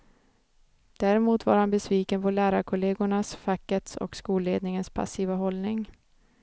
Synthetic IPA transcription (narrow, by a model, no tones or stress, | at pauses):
d̪̥æːɾɪmuːt̪va̰ɾhanbɛsviːkənpʰɔlæːɾaɾkʰʊleːɡʊɳasfakːət̪sɔ̰kskuːlːeːd̪nɪŋənspʰa̰siːvaɦɔlnɪŋ